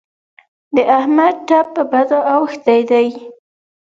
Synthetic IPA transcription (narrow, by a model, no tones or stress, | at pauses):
d̪əʔahmad̪̚ʈapːəbad̪oʔawxt̪ajd̪aj